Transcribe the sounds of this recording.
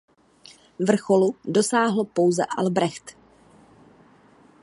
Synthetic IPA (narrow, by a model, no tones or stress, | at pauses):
vr̩xo̞ludo̞saːɦlopo̞wzɛ̰ʔa̰lbɾɛxt̪